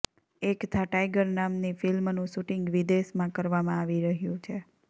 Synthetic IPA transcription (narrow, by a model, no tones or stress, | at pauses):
ekt̪ʰaʈajɡəɾnamnifɪlmnũʃuʈɪŋɡʋid̪eʃmãkəɾʋamãaʋiɾəɦjũt͡ʃʰe